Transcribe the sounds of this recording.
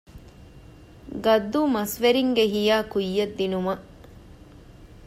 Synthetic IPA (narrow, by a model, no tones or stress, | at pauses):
ɡɐd̪ːuːmɐsʋeɾiŋɡeɦijaːkujːɐd̪ːinumɐ